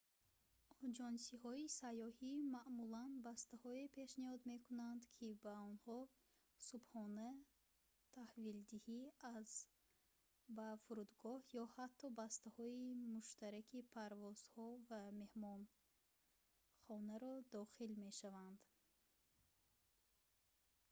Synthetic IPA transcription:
ɔd͡ʒɔnsihɔisajɔhimaʔmulanbast̪ahɔepʰe̞ʃnihɔd̪me̞kʰunand̪kʰibaɔnhɔ | subχɔna | t̪ʰahvild̪ihiaz | bafuɾud̪ɡɔhjɔhat̪ʰːɔbast̪ahɔimuʃt̪aɾakʰipʰaɾvɔz̥hɔvame̞hmɔn | χɔnaɾɔd̪ɔχilme̞ʃavand̪

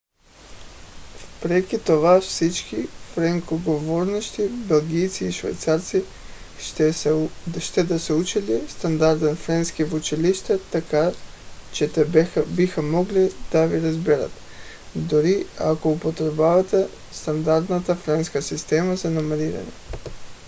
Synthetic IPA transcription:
pɾekit̪oʋaʃsit͡ʃkifɾeŋkoɡoʋoɾnoʃt̪ibelɡijt̪siːʃʋa̰jt̪saːɾt̪si | ʃt̪ed̪aseut͡ʃilist̪and̪aɾd̪anfɾenskiʋut͡ʃiliʃt̪at̪aka | t͡ʃet̪ebixamoɡlid̪̥aʋiɾazbiɾa̰t̪ | d̪oɾiakoupot̪ɾebaʋat̪e | st̪and̪aɾd̪nat̪afɾenskasist̪eːmazanamaɾiːɾa̰ɲḛ

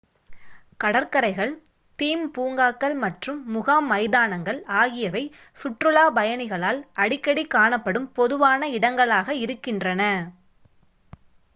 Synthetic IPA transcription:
kɐɽɐɾkɐɾɐɪɣɐɭ | t̪iːmpuːŋɡaːkːɐɭmɐʈrɯmːʊɣaːmːɐɪðaːnɐŋɡɐɭaːɣɪjɐʋɐɪ | fʊʈrɯlaːbɐjɐnɪɣɐɭaːlʔɐɽɪkːɐɽikaːɳɐpːɐɽɯmpɔðɯʋaːnɐɪɽɐŋɡɐɭaːɣɐɪɾɯkːɪndrɐnɐ

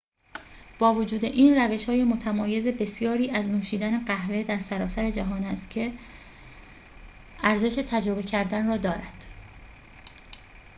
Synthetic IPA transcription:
b̥ɒːvod͡ʒuːd̪e̞ʔiːnræve̞ʃhɒːjemo̞t̪ʰæmɒːje̞ze̞be̞sjɒːɾiːʔæznumʃiːd̪æne̞ɢæɦve̞d̪æɾsæɾɒːsæɾe̞d͡ʒæɦɒːnæst̪cʰe̞ | æɾze̞ʃe̞t̪ʰæd͡ʒɾo̞be̞cʰæɾd̪ænrɒːd̪ɒːɾæd̪̥

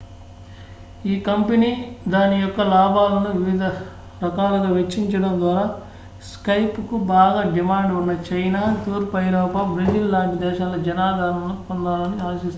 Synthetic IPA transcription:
iːkɐmpeniːd̪aːnijɔkːɐlaːbʱaːlɐnuʋiʋid̪ʱɐ | ɾɐkaːlɐɡɐːʋet͡ʃːiɲt͡ʃɐɽɐnd̪ʋaːɾaː | skɐjpukubaːɡaːɖimaːɳɖunːɐt͡ʃɐjnaːt̪uːɾpɐjɾɔːpɐbɾid͡ʒillaːɖd̪ɛːʃaːlɐd͡ʒɐnaːd̪ʱaːɾɐnupond̪aːlɐniaːlɐsist̪u

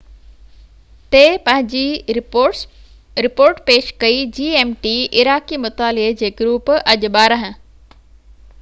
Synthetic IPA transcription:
t̪epɐ̃ɦɪ̃ɲd͡ʑi | ɾɪpoːɾʈpeːʃkɐid͡ʑiːeːmʈiʔɪɾaːkimʊt̪aːlɪɦed͡ʑeːɡɾuːpɐʄʊɓaːɾəɦə̃

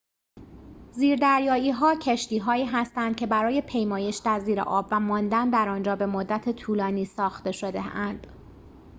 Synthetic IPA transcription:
ziːɾd̪æɾjɒːiːɦɒːcʰeʃt̪iːɦɒːiːɦæst̪ænd̪̥̚cʲʰe̞bæɾɒːje̞pʰe̞jmɒːje̞ʃd̪æɾziːɾḛʔɒ̰ːbvæmɒːnd̪ænd̪æɾɒːnd͡ʒɒːbe̞mod̪ːæt̪ʰet̪ʰuːlɒːniːsɒːxt̪e̞ʃo̞d̪eænd̪̥

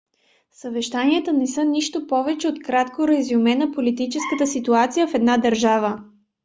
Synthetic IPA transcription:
səvɛʃt̪aniət̪ənɛsɤniʃt̪opɔvɛt͡ʃɛot̪kɾat̪koɾɛzumɛnɐpolit̪it͡ʃɛskət̪əsit̪uat̪sijəfɛd̪nad̪əɾʒavə

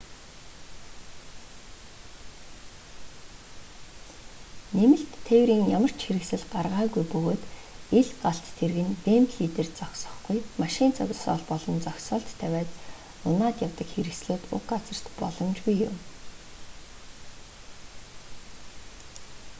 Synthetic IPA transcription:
nemɘ̆ɬt̪ʰːewɾiːŋjamə̆r̥t͡ɕxeɾɘ̆ksɘ̆ɮɢarʁaːɣujpɵɣoːt̪eɮɢaɬt̪ːʰerɣɘ̆npempɮiːt̪ert͡sɔksɞ̆χɡujmaʃɪ̆nt͡sʰʊɣ̆ʲɮsɔ̰ːɮpɔɮɞ̆nt͡sɔkʲsɔːɬt̪ʰːæwʲæːt͡s̪ | ʊnaːt̪jawt̪ə̆kxeɾɘ̆ksɮoːt̪ʊ̰kɢat͡sə̆r̥t̪pɔɮɞ̆mt͡ɕɡujːʊm

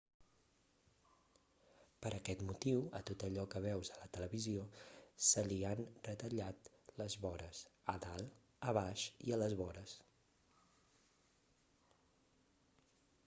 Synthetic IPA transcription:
pəɾʔəkɛt̪mut̪iwə̰t̪ot̪əʎɔkəβ̞ɛwzələt̪ələβiziosəlianrət̪əʎat̪ | ləzβɔɾəsəðalˠ | əβaʃḭələzβɔɾəs

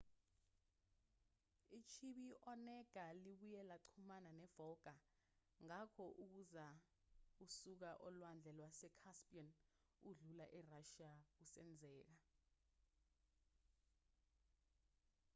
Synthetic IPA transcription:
it͡ʃʰiɓiʔɔnɛɡ̥ʱaliɓujɛlaǀʰumananɛvɔɡ̥ʱa | ŋakʰɔʔuk̬uza | usuk̬aʔɔlwand͡ɮʱɛlwasɛkʰaspʼiɔn | uɮulaʔɛraʃiausɛ̰nd͡zʱɛːk̬a

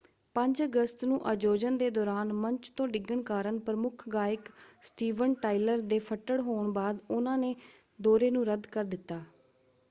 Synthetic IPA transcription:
pə̃ɲd͡ʒəɡəst̪nũːʔəd͡ʒoːd͡ʒənd̪eːd̪ɔːɾaːnməɲt͡ʃt̪õːɖɪɡːəɳkaːɾəɳpɾəmʊkʰɡaːɪksʈiːʋənʈaːiləɾd̪eːpʰəʈːəɽɦoːɳbaːd̪ʊnãːneː | d̪oːɾeːnũːɾəd̪kəɾd̪ɪt̪ːaː

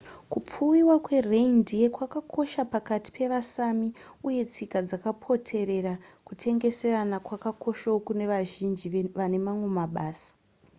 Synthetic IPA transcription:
kup͡fuwiwakwe̞reindijekwakakʰo̞ʃapakati̥pʰe̞ʋasamiuje̞t͡sikad͡zakapʰo̞tʰe̞ɾe̞rakutʰe̞ŋɡe̞se̞ranakwakako̞ʃawokune̞ʋaʒind͡ʒiʋane̞mamwe̞maɓaːsḁ

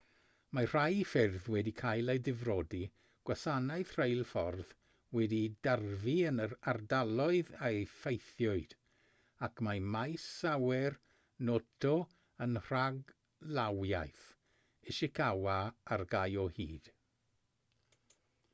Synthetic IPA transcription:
mar̥ajfɪrðwɛdikʰajlˠejdɪvrɔdi | ɡ̥wasanaɨθr̥ejlˠfɔrð | wɛdidarviənəɾardalˠɔɨðefejθjɔɨd̥ | akʰmamajsawɛr | notʰɔ | ənr̥aɡ | lawjajθ | ɪʃɪkʰawaarɡajɔhḭːd̥

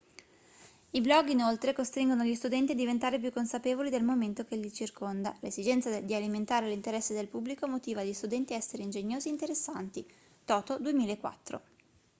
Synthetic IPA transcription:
iblɔɡːinolt̪ɾekost̪ɾiŋɡonoʎːist̪ud̪ɛnt̪iad̪ːivent̪aːɾep̬jukːonsapeːvolid̪elmoment̪ok̟eʎːit͡ʃirkond̪alezid͡ʒɛnt̪sad̪ialiment̪aːɾelint̪eɾɛsːed̪elpubːlikomot̪iːvaʎːist̪ud̪ɛnt̪iaɛsːeɾeind͡ʒeɲːoːzieint̪eɾesːant̪i | t̪ɔːt̪od̪uemiːlaekːwa̰t̪ːɾo̰

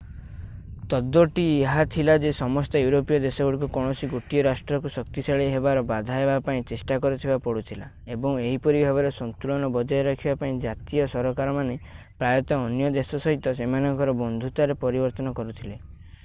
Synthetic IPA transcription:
t̪ɔd̪ːɔʈieɦat̪ʰilad͡ʒesɔmɔst̪ɔjuɾopijɔd̪esɔɡuɽikukɔɽ̃ɔsiɡuʈijɔɾasʈɾɔkusɔkt̪isaɭiɦebaɾɔbad̪ʱaebapaĩt͡ʃesʈakɔɾut̪ʰibapɔɽut̪ʰila | ebɔŋeɦipɔɾibʱabɔɾesɔnt̪uɭɔnɔbɔd͡ʒɔeɾakʰibapaĩd͡ʒat̪ijɔsɔɾɔkaɾɔmane | pɾajɔt̪ɔːnjɔd̪esɔsɔɦit̪ɔsemanɔŋkɔɾɔbɔnd̪ʱut̪aɾepɔɾibɔɾt̪ɔnɔkɔɾut̪ʰile

